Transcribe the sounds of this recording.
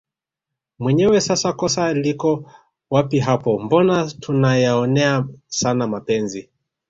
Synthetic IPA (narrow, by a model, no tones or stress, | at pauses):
mwɛɲɛwɛsasakɔsalikɔ | wapiɦapɔmbɔnatunajaɔnɛasanamapɛnzi